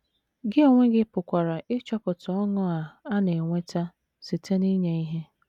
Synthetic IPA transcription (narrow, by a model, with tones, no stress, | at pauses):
ɡɪ˦e˨ŋʷe˦ɡɪ˦pʊ˨kʷa˨ɾa˨ʔɪ˦t͡ʃɔ˦pʊ˨tɔ˨ɔ˦ŋʊ˦a˨a˦ne˨ŋʷe˦ta˦ | si˨tʰe˦ni˦ɲe˨i˦ɦe˦